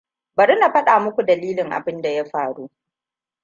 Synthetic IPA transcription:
bɐ˨ɾɪ˦na˨ɸɐ˦ɗaː˨mʊ˦kʷu˨dɐ˨liː˦lɪ˨ŋʔa̰˨bɪ˦nda˨ja˦ɸaː˨ɽu˦

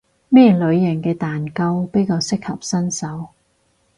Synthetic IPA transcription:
mɛː˥lɵ˨˧ɥjɐ˨˩ŋkɛː˧t̪aː˨nkɐ˧wpe˥jkaː˧wsɪ˥k̚hɐ˨p̚sɐ˥nsɐ˨˥w

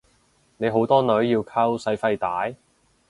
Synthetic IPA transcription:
ne˨˧jɦo˨˥wt̪ɔː˥nɵ˨˥ɥjiː˧wkʰɐ˥wsɐ˨˧˥jfɐ˧jt̪aː˨˥j

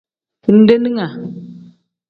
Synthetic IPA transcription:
fu˨n̩˦de˦ni˦ŋa˨

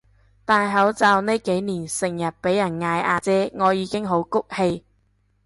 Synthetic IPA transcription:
t̪aː˨jɦɐ˨˥wt͡saː˨˧wne˥jke˨˥jniː˨˩nsɪ˨˩ŋjɐ˨t̚pe˨˥jɐ˨˩nŋaː˧jʔaː˧t͡sɛː˥ŋɔː˨˧jiː˨˧kɪ˥ŋɦo˨˥wkʊ˥k̚he˧j

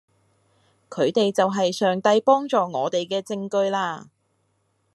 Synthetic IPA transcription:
kʰɵ˨˧ɥt̪e˨jt͡sɐ˨wɦɐ˨jsœː˨ŋt̪ɐ˧jpɔː˥ŋt͡sɔː˨ŋɔː˨˧t̪e˨jkɛː˧t͡sɪ˧ŋkɵ˧ɥlaː˧

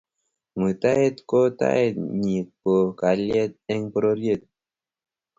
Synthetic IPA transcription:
mɨ˨t̪a˦e˦t̪ko˦t̪a̰˦e˦t̪̚ɲi˨po˨ka˨lje˦t̪̚ɛ˦ŋpɾo˦ɾje˦˨t̪̚

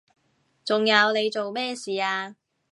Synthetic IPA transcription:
t͡sʊ˨ŋjɐ˨˧wne˨˧jt͡so˨wmɛː˥siː˨aː˧

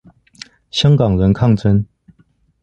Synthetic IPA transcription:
ɕjɑ˥ŋkɑ˨˩ŋɻə˧˦˥nkʰɑ˥˨ŋt͡sʰə˥n

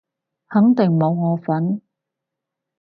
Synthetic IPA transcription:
hɐ˨˥ŋt̪ɪ˨˩ŋmo˨˧wɔː˨˧fɐ˨˥n

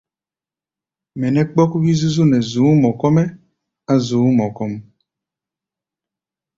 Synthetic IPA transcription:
mɛ˨nɛ˦k͡pɔ˦ku˦ki˦zu˦zu˦˨nɛ˨zu˨˦mɔ˨kɔ˦mɛ˦ | a˦zu˨˦mɔ˨kɔ˦m

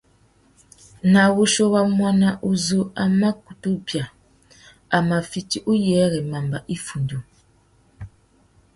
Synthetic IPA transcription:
na˨βu˦ʃo˦βa˦mwa˦na˦ʔu˦zo˦a˨ma˦ku̥˨tu˦bja˨ | a˨ma˨fi˨ti˨ʔu˦jɛ˨˦ɣɛ˨ma˨mba˨ʔi˦fu˨ndu˨

